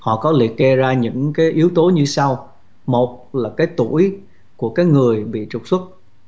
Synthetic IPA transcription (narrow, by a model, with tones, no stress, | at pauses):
hɔ̰˧˨kɔ˨˦lḭ˨˩ək̚ke˧zaː˧ɲɨ̰˧˥ŋkaː˨˦jʔi˨˦əwt̪o˨˦ɲɨ˧sa˧w | mo˨˩t̚laː˨˩kaː˨˦jt̪u˧˩əj | ku˧˩əkaː˨˦jŋɨ˨˩əjɓḭ˧˨t͡ɕʊ˨˩k͡p̚swə˦˥t̚